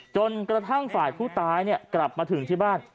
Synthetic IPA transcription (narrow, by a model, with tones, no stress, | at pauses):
t͡ɕo˧nkɾa˧t̪ʰa˥˩ŋfaː˨˩jpʰuː˥˩t̪aː˦˥jni˥˩ɐkla˨˩p̚maː˧t̪ʰɯ˩˦ŋt̪ʰiː˥˩baː˥˩n